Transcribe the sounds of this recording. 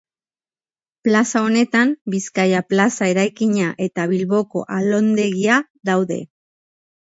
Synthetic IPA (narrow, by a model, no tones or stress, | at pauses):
plasao̞ne̞t̪ambiskajaplasae̞ɾajkiɲaʔe̞t̪aβilβo̞ko̞̰ʔalo̞nd̪e̞ɣia | ðawðe̞̰